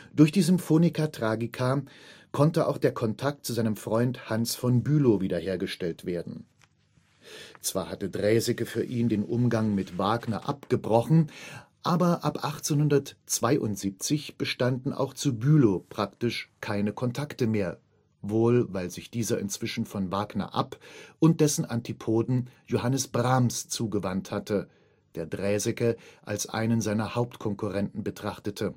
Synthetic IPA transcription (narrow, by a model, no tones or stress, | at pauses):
d̥ʊɐçd̥iːzʏmfoːnikʰatʁ̥aːɡikʰa | kʰɔntəʔa̰ʊxd̥eːɐkʰɔntʰak̚tt͡suzaɪnəmfʁ̥ɔʏnthansfɔnbyːloviːdɐheːɐɡəʃtɛltv̥eːɐdn̩ | t͡sv̥aːɐhatədʁɛːzɪkəfyːɐʔiːndeːnʔʊ̰mɡaŋmɪtv̥aːɡnɐ̰ʔapɡ̥əbʁɔχn̩ʔaːbɐʔapʔaχt͡seːnhʊndɐtt͡sv̥aɪʔʊ̰ntz̥iːp̚t͡sɪçb̥əʃtandn̩ʔa̰ʊxt͡subyːlopʁ̥aktɪʃkʰaɪnəkʰɔntʰaktəmeːɐ | voːlvaɪlzɪçd̥iːzɐʔɪ̰nt͡sv̥ɪʃn̩fɔnvaːɡnɐ̰ʔa̰pʔʊnt̚d̥ɛsn̩ʔantʰipʰoːdn̩johanəsb̥ʁamst͡suːɡəvanthatə | d̥eːɐdʁɛːzɛkɐʔa̰lsʔa̰ɪnənzaɪnɐhaʊp̚tkʰɔŋkuʁɛntn̩bətʁ̥aχtətʰə